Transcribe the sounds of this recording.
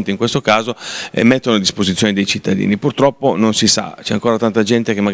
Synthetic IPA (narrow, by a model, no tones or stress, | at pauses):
nt̪iŋkwest̪okaːzoḛmːet̪ːonoad̪ːispozit̪ːjoːned̪ejt͡ʃit̪ːad̪ḭːnipurt̪ɾɔpːononsisa̰t͡ʃɛaŋkoːɾat̪ant̪ad͡ʒɛnt̪ekemːaɡ